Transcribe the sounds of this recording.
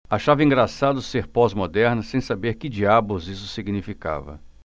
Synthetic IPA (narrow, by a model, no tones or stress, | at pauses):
aʃavɐĩŋɡɾasad̪ʊseɾpɔzmod̪ɛɾnɐsẽj̃sabeɾkɪd͡ʒiabʊzisʊ̥siɡnifika̰vɐ̰